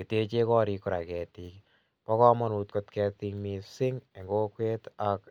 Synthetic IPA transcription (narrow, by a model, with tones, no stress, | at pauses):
ki˨te˦t͡ʃe˦kɔ˦ɾi˧ku˦ɾa˨kɛ˨ti˨k | pɔ˦kɔ˦mɔ˦nu˨tko˧tkɛ˧ti˧ŋmisɪ˦ŋe˨ŋɡo˦kwe˦tak